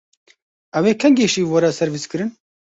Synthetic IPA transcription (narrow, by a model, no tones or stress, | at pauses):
ɛweːkʰɛŋɡeːʃiːwɐɾɛsɛɾviːskɨɾɨn